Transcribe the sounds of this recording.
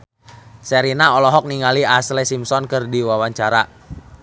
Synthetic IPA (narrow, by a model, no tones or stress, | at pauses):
sɛɾinaɔlɔɦɔk̚niŋaliaslesimsɔnkɨrdiwawaɲt͡ʃaɾa